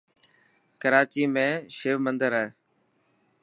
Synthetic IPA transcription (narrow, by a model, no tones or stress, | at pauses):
kəɾaːt͡ʃiːmẽːʃeːʋmənd̪əɾae